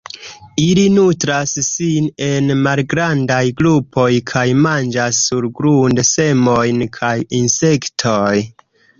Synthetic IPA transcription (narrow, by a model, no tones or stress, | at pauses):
ilinutɾasːine̞nmalɡɾandajɡlupʰo̞jkʰajmand͡ʒasːuɾɡɾundse̞mo̞jnkʰajinse̞ktʰoj